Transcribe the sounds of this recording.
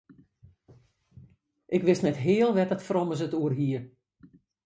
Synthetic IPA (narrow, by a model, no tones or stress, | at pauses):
ʔɪkʋɪstnɛtɦɪəlˠʋɛtətfrɔməs̬ətuərɦiər